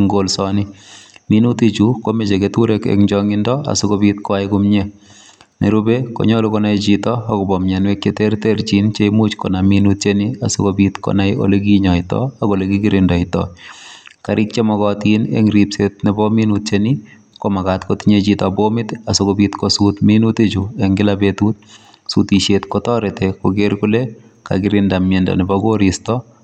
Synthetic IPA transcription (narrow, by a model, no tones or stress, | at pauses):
ŋɡolsɔnɪminutit͡ʃukomet͡ʃeketuɾekḛkɲd͡ʒɔŋɪndɔa̰sokobitkɔajkʊmɲe | nḛɾubeko̰ɲɔlukɔnajt͡ʃitɔːkɔbɔmɲanwek̚t͡ʃeterteɾt͡ʃint͡ʃemut͡ʃkɔnaminut̚t͡ʃeniasokobitkɔ̰najo̰leɡ̬iɲɔɪtɔ̰akolekikɪɾɪndɔɪtɔ̰ | kaɾʔɪk̚t͡ʃemɔɡɔtinḛŋɾipset̚nɪbɔminut̚t͡ʃeni | komakatkotiɲet͡ʃitɔbomɪt̪asokobitkosutminuted͡ʒueŋɡɪlabetut̪̚ | sutiʃetkɔtɔɾetekoɡeɾkule | ka̰ɡɪɾɪndamɛndɔ̰nɪbaɡoɾistɔ